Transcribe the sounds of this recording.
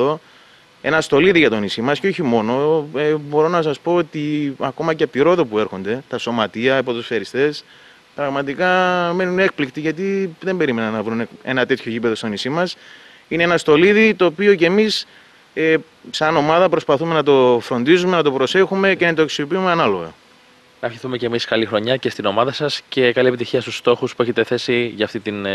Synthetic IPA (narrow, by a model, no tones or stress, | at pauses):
o | e̞̰nɐst̪o̞liðiʝɐt̪o̞nisimɐsceoçimo̞no̞ebo̞ɾo̞nɐs̬ɐspo̞ot̪iɐko̞mɐceɐp̚t̪iɾo̞ðo̞pue̞ɾxo̞nd̪e̞t̪ɐso̞mɐt̪iɐipo̞t̪usfeɾist̪e̞s | pɾɐɣmɐt̪ikɐme̞nune̞k̚plikt̪iʝɐt̪iðe̞mbe̞ɾime̞nɐnːɐvɾune̞nɐt̪e̞t̪ço̞ʝipe̞ðo̞st̪o̞nisimɐs | ine̞enɐst̪o̞liðit̪o̞ːpio̞ce̞mis | e | sɐno̞mɐðɐpɾospɐθume̞nɐt̪o̞fɾo̞nd̪izume̞nɐt̪o̞pɾo̞se̞xume̞ce̞nɐt̪oeksiopiumeɐnɐlo̞ɣɐ̰ | nɐfçiθume̞cemiskɐlixɾo̞ɲɐce̞st̪ino̞mɐðɐsɐsce̞kɐlie̞pit̪içiɐst̪ust̪o̞xuspueçet̪e̞θe̞siʝɐːft̪it̪in